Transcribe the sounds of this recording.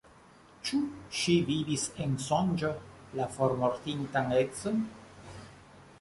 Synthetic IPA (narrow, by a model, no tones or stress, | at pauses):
t͡ʃuʃivivisensond͡ʒo | lafoɾmoɾt̪int̪aŋeksn